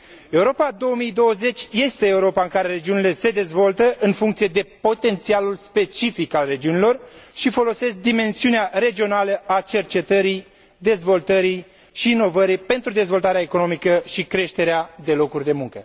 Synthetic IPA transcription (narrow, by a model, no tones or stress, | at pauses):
e̞uɾo̞pad̪o̞womijd̪o̞wəze̞t͡ʃʲje̞st̪e̞ːuɾo̞paɨŋkaɾe̞ɾe̞d͡ʒiunile̞se̞d̪e̞zvo̞lt̪əʔɨnfuŋkt̪sije̞d̪e̞po̞t̪e̞nt̪sialulspe̞t͡ʃifikalre̞d͡ʒiunilo̞rʃifo̞lo̞se̞sk̚d̪ime̞nsiuneaɾe̞d͡ʒio̞naləʔat͡ʃe̞rt͡ʃe̞t̪əɾi | d̪e̞zvo̞lt̪əɾij | ʃiːno̞vəɾipe̞nt̪ɾud̪e̞zvo̞lt̪aɾeaeko̞no̞mikəʃikɾe̞ʃt̪e̞ɾead̪e̞lo̞kurʲd̪e̞muŋkə